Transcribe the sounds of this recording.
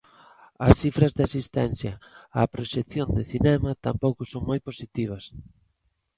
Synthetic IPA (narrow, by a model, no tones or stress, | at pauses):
ɐsθifɾɐzðɪasist̪ɛnθjɐɐpɾoʃeθjond̪ɪθinɛmɐt̪ampowkʊsoŋmojposit̪iβ̞ɐs